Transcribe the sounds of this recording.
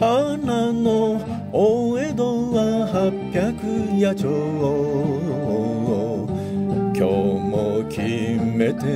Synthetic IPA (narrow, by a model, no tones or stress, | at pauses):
anano | oed̪owahapʲːjakɯjat͡ɕoo | oo | kʲʰomokʲʰimet̪e